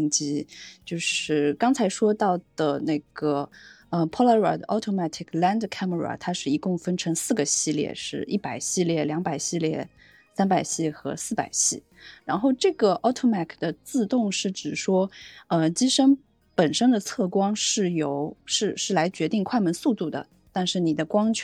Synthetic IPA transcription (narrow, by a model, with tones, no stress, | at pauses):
ŋt͡ɕi˥t͡ɕjo˥˧ʊʂɻ̩˥˩kɑ˥ŋt͡sʰa˧˥ɪʂwɔ˥t̪ɑ˥˩ʊd̪̥ə˩ne˥˩ɡ̥ə˩ | ə˧pʰɔ˥la˥ə̰˨˩d̪ʔɑ˧˥ʊt̪ʰo˥ma˥˩t̪ʰi˨˩kʰla˥nd̪kʰa˥mə˧˩ɹa̰˨˩t̪ʰa˥ʂɻ̩˥˩i˧˥kʊ˥˧ŋfə˥nʈ͡ʂʰɤ˧˥ŋsɹ̩˥˩ɡə˩ɕi˥˧ljɛ̰˥˩ʂɻ̩˥˧i˥˩pa˨˩ɪɕi˥˧ljɛ˥˩ljɑ˧˥ŋpa˨˩ɪɕi˥˧ljɛ˥˩ | sa˥npa˨˩ɪɕi˥˩xɤ̰˧˥sɹ̩˥˩pa̰˨˩ɪɕi˥˩ | ɻa˧˥nxo˥˧ʊʈ͡ʂɤ˥˩ɡə˩ʔɑ˧˥ʊt̪ʰo˥ma˥˩kʰd̪ə˩t͡sɹ̩˥˧t̪ʊ˥˧ŋʂɻ̩˥˩ʈ͡ʂɻ̩˨˩ʂwɔ˥ə˧t͡ɕi˥ʂə˥ŋ | pə˨˩nʂə˥nd̪ə˨t͡sʰɤ˥˩kwɑ˥ŋʂɻ̩˥˩jo˨˩ʊʂɻ̩˥˧ʂɻ̩˥˩la˧˥ɪt͡ɕɥɛ˧˥t̪i˥˧ŋkʰwa˥˩ɪmə˧˥nsu˥˧t̪u˥˩d̪ə̰˩ | t̪a˥˧nʂɻ̩˥˩ni˨˩d̪ə˦kwɑ˥ŋt͡ɕʰ